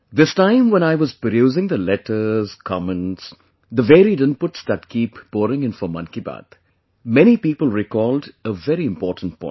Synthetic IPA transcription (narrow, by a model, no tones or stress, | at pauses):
d̪ɪstãɪ̃mwɛ̃ñaɪʋɔzpəduːzɪ̃ŋd̪əlɛʈʰəz̥kʰɔmə̃nʈs | d̪əʋeːɾiɖɪ̃npʊʈsd̪æʈ̚kiːpb̥ɔːɾɪ̃ŋɪ̃nfɔmʌ̰̃nkiba̰ːt̪ | mɛñipiːpəlˠɾɪkɔːlɖəvɛɾiɪ̃mpɔːʈn̩̚pʰɔ̰̃ɪ̃